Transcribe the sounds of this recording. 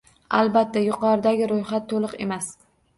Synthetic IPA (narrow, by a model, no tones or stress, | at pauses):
a̰lˠbat̪ʰːajʊqʰɒɾɪd̪aɡʲɪɾojχat̪ʰːolˠɨqe̞̰mas